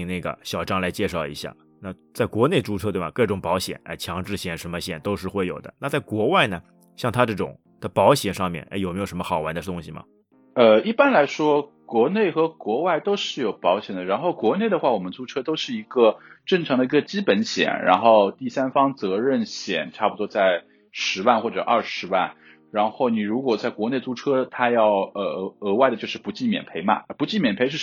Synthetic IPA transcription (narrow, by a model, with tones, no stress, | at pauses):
ŋna˥˩ɡə̰˩ɕjɑ˨˩ʊʈ͡ʂɑ˥ŋla˧˥ɪt͡ɕjɛ˥˧ʂɑ˥˩ʊḭ˧˥ɕja̰˥˩ | na˥˩t͡sa˥˩ɪkwɔ˧˥ne˥˩ɪʈ͡ʂu˧˥ʈ͡ʂʰɤ˥e˥˩bɐ˩kɤ˥˩ʈ͡ʂʊ˨˩ŋpɑ˧˥ʊɕjɛ̰˨˩˦nɐ̰˧ɪt͡ɕʰjɑ˧˥ŋʈ͡ʂɻ̩˥˩ɕjɛ˨˩nʂə˧˥nmə˧ɕjɛ˨˩nt̪o˥ʊʂɻ̩˥˧xwe˥˩ɪjo˨˩ʊd̪ə̰˦na˥˧t͡sa˥˩ɪkwɔ˧˥wa˥˩ɪnə˩ | ɕjɑ˥˩ŋt̪ʰa˥ʈ͡ʂɤ˥˩ʈ͡ʂʊ̰˨˩˦ŋ | d̪̥ə˦pɑ˧˥ʊɕjɛ˨˩nʂɑ˥˧ŋmjɛ̰˥˩nʔa̰˥˩jo˨˩m˧˥jo˨˩ʂə˧˥mə˧xɑ˨˩ʊwa˧˥nd̪ə˧˩t̪ʊ˥ŋɕi˨mɐ̰˩ | ə˧i˥˩pa˥nla˧˥ɪʂwɔ˥ | kwɔ˧˥ne˥˩ɪxɤ˧˥kwɔ˧˥wa˥˩ɪt̪o˥ʊʂɻ̩˥˩jo˨˩ʊpɑ˧˥ʊɕjɛ˨˩nd̪ə˦˩ɻa˧˥nxo˥˩ʊkwɔ˧˥ne˥˩ɪd̪ə˩xwa˥˩wɔ˨˩mə˦nt͡su˥ʈ͡ʂʰɤ˥t̪o˥ʊʂɻ̩˥˩i˧˥ɡə˧ʈ͡ʂɤ˥˩ŋʈ͡ʂʰɑ˧˥ŋd̪ə˧i˧˥ɡə˧t͡ɕi˥pə˧˥nɕjɛ̰˨˩˦nɻa̰˧˥nxo˥˧ʊt̪i˥˩sa˥nfɑ˥ŋt͡sɤ˧˥ɻə˥˩nɕjɛ̰˨˩nʈ͡ʂʰa˥˩pu˩t̪wɔ˥t͡sa˥˩ɪ | ʂɻ̩˧˥wa˥˧nxwɔ˥˩ʈ͡ʂɤ˨˩ʔɐ˥˩ʂɻ̩˧˥wa̰˥˩n | ɻa˧˥nxo˥˩ʊni˨˩ɻu˧˥kwɔ˨˩t͡sa˥˩ɪkwɔ˧˥ne˥˩ɪt͡su˥ʈ͡ʂʰɤ˥t̪ʰa˥jɑ˥˩ʊə˧˩˧ɤ˧˥wa˥˩ɪd̪ə˩t͡ɕjo˥˧ʊʂɻ̩˥˩pu˧˥t͡ɕi˥˩mjɛ̰˨˩npʰe˧˥ɪmɐ̰˨˩pu˧˥t͡ɕi˥˩mjɛ˨˩npʰe˧˥ɪʂɻ̩˥˩